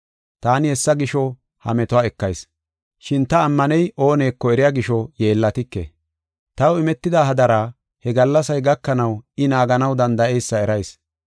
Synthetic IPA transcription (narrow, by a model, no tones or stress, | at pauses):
t̪aːnɪhɛsːɐɡɪʃɔ | hɐ̰mɛt̪ɔaːɛkːɐjs | ʃɪnt̪ɐːmːɐnɛjo̞ːne̞ːkːɔɛɾɪjaːɡɪʃɔje̞ːlːɐt̪ɪkːḛ | t̪ɐwɪmɛt̪ːɪd̪aːɦɐd̪ɐɾaː | hɛɡɐlːɐsɐjɡɐkːɐnɐwɪnaːɡɐnɐwd̪ɐnd̪ɐʔɛjsːɐɛɾɐjs